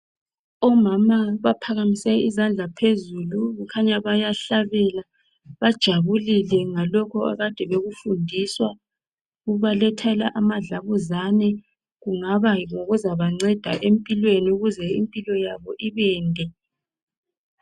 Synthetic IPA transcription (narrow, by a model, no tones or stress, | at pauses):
ɔmamaβapʰaɣamisɛizand͡ɮʱapʰezuluɣukʰaɲaβajaɬaβɛla | βad̥ʒ̥ʱaβulilɛŋalɔkʰɔa̰ɣad̥ʱɛβeɣufundʱiswa | uβalɛtʰalaʔamaɮaβuzanɛ | ɣuŋaβaŋoɣuzaβaŋ͡ǀɛd̥ʱaʔempʼilweniuɣuzɛḭmpʼilɔjaβɔʔiβɛːndʱɛ